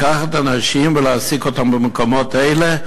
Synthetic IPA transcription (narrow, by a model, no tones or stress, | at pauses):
kaχat̪anaʃimvəleasikot̪ambəmekomot̪ejle